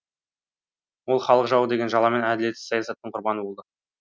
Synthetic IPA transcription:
wo̞lˠχɑlˠəqʒɑwəd̪e̞ɡʲe̞nʒɑlˠɑme̞næd̪ɪle̞t̪ːɪ̥sɑjɑsɑt̪ːəɴqʰʊɾbɑnəbo̞lˠd̪ə

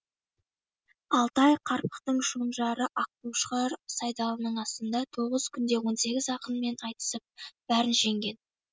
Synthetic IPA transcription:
ɑlˠt̪ɑjqʰɑɾpə̥qt̪əɴʃonʒɑɾəʔɑq̚t̪uwʃəʁɑɾsɑjd̪ɑlˠənəɴɑst̪ənd̪ɑt̪ʰo̞ʁəz̥kʲʰʏnd̪e̞wo̞nse̞ɡʲɪzɑqənme̞nɑjt̪ə̥səp̚b̥æɾɪnʒe̞ŋɡʲe̞n

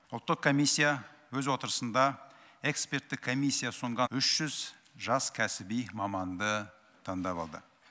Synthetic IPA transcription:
ʊlˠt̪ːəqkʰo̞mijsʲːijawɵzwo̞t̪əɾəsənd̪ɑe̞kspe̞rt̪ːɪkʰːo̞mijsʲːijasoɴʁɑʏʃʒ̥ʏz | ʒɑskʲʰæsɪbijmɑmɑnd̪ə | t̪ʰɑŋd̪ɑβɑ̰lˠd̪ə̰

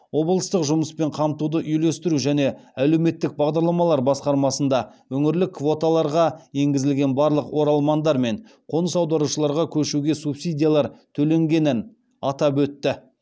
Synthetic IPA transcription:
wo̞blˠəst̪əqʒʊməspe̞ɴqʰɑmt̪ud̪əʔʏjle̞st̪ɪɾuʒæne̞ælewme̞t̪ːɪk̚bɑʁd̪ɑɾlˠɑmɑlˠɑɾbɑsqɑɾmɑsənd̪ɑwɵŋɪɾlɪkːvo̞t̪alˠɑɾʁɑje̞ŋɡʲɪzɪlɡʲe̞nbɑɾlˠəqwo̞ɾɑlˠmɑnd̪ɑɾme̞ɴ | qʰo̞nəsɑwd̪ɑɾuʃəlˠɑɾʁɑkʲʰɵʃuɡʲe̞supsijd̪ʲijalˠɑɾt̪ʰɵle̞ŋɡʲe̞nɪn | ɑt̪ɑpwɵt̪ːɪ

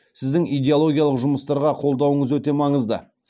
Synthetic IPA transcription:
sɪzd̪ɪŋijd̪ʲeolˠo̞ɡʲijalˠəqʒʊməst̪ɑɾʁɑqʰo̞lˠd̪ɑwəɴəzwɵt̪e̞mɑɴəzd̪ə̰

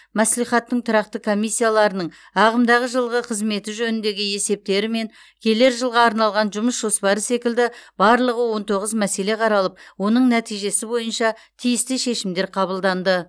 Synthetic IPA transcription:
mæslijχɑt̪ːəɴt̪ʰʊɾɑqt̪əkʰo̞mijsːijalˠɑɾənəɴ | ɑʁəmd̪ɑʁəʒəlˠʁəqʰəzme̞t̪ɪʒɵnɪnd̪e̞ɡʲɪe̞se̞p̚t̪e̞ɾɪme̞ŋ | kʲʰe̞le̞ɾʒəlˠʁɑːɾnɑlˠʁɑnʒʊməsʒ̥o̞spɑɾəse̞kʲɪld̪ɪbɑɾlˠəʁəwo̞nt̪ʰo̞ʁəzmæse̞le̞qʰɑɾɑlˠəp̚wo̞nəɴnæt̪ijʒe̞sɪbo̞jənʃɑ | t̪ʰijɪst̪ɪʃe̞ʃɪmd̪e̞ɾqʰɑβəlˠd̪ɑnd̪ə

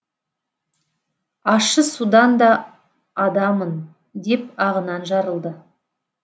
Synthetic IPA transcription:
ɑʃəsud̪ɑnd̪ɑː | d̪ɑmən | d̪e̞p̚ɑʁənɑnʒɑɾəlˠd̪ə

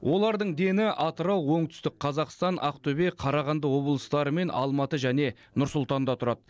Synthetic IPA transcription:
wʔo̞lˠɑɾd̪əɴd̪e̞nɪʔɑt̪əɾɑwˠwo̞ɴt̪ʰʏ̥st̪ɪk̚qʰɑzɑqst̪ɑnʔɑ̰qt̪ʰɵbe̞qʰɑɾɑʁɑnd̪əwo̞blˠəst̪ɑɾəme̞nʔɑ̰lˠmɑt̪əʒæne̞ | nʊɾsʊlˠt̪ɑnd̪ɑt̪ʰʊɾɑd̪̥ə

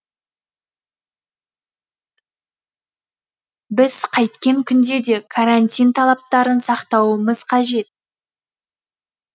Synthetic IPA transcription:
bɪz̥qʰɑjt̪kʲe̞ŋkʲʰʏnd̪e̞d̪e̞kʰaɾanʲt̪ʲijnt̪ʰɑlˠɑp̚t̪ɑɾənsɑqt̪ɑwəməz̥qʰɑʒe̞t̪̚

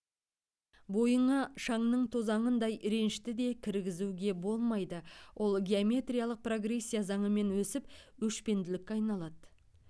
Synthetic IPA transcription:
bo̞jəɴɑʃɑɴnəɴt̪ʰo̞zɑɴənd̪ɑjɾe̞nɪʃt̪ɪd̪e̞kʲʰɪɾɡʲɪzuwɡʲe̞bo̞lˠmɑjd̪əwʔo̞lˠɡʲe̞omʲe̞t̪rʲijalˠəq̚pro̞ɡre̞sʲːijazɑɴəme̞nwɵsɪpwɵʃpe̞nd̪ɪlɪkʲːeɑjnɑlˠɑd̪̥ə

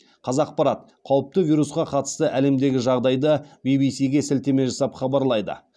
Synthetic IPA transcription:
qʰɑzɑq̚pɑɾɑt̪̚ | qʰɑwəp̚t̪əvijɾusqɑqʰɑt̪ə̥st̪əʔæle̞md̪e̞ɡʲɪʒɑʁd̪ɑjd̪əbijbijsijɡʲe̞sɪlt̪e̞me̞ʒɑsɑpχɑbɑɾlˠɑjd̪ə̰

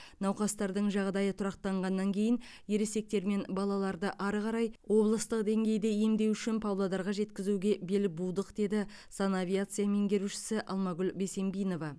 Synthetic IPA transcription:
nɑwqɑst̪ɑɾd̪əɴʒɑʁd̪ɑjət̪ʰʊɾɑq̚t̪ɑɴʁɑnːɑŋkʲʰe̞jɪnje̞ɾese̞k̚t̪e̞ɾme̞nbɑlˠɑlˠɑɾd̪əʔɑɾʁɑɾɑjwo̞blˠəst̪əqd̪e̞ŋɡʲe̞jd̪eje̞md̪e̞wʏʃɪnpʰɑwlˠɑd̪ɑɾʁɑʒe̞t̪kʲɪzuɡʲe̞be̞lɪbulˠd̪əqd̪e̞d̪ɪ | sɑnavʲijat̪sɨjame̞ŋɡʲe̞ɾuʃɪ̥sɪʔɑlˠmɑɡʲʏlbe̞se̞mbijno̞vɑ

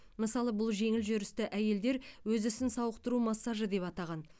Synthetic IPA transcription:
məsɑlˠəbʊlˠʒe̞ŋɪlʒʏɾɪst̪ɪʔæje̞ld̪e̞ɾwɵzʏsɪnsɑwəqt̪əɾumɑsːɑʒəd̪e̞pɑt̪ɑʁɑn

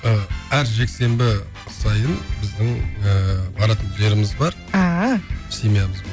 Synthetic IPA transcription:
əæɾʒe̞kse̞mbɪ | qsɑjənbɪzd̪ɪŋəbɑɾɑt̪ənʒeɾɪmɪzbɑɾ | asemijaməzbɑ

